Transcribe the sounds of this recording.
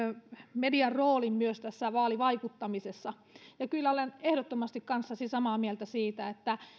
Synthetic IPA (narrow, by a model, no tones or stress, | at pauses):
mediɑrroːlimmyøst̪æsːæʋɑːliʋɑikut̪ːɑmisesːɑ | jɑkylːæolenehɾot̪ːomɑst̪ikkɑnsːɑsisɑmɑːmielt̪æsiːt̪æet̪ːæ